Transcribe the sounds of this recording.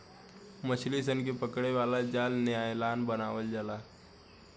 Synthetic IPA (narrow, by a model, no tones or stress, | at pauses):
mət͡ʃʰlisənkepəkɽeʋaːlad͡ʒaːlnɪjaːelaːnbənaːʋəld͡ʒaːlaː